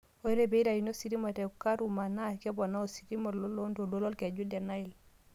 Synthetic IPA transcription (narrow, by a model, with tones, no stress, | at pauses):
o˨i˦ɾe˦be˨i˦da˨ji˨no˦si˨ɾi˦ma˨te˨ka˦ɾu˨ma˨na˦˨ke˦bo˨na˦o˨si˨ɾi˦mo˨o˦lo˦ndo˨lo˦lo˦lke˨ɟu˦ldɛ˨ɾna˦i˨l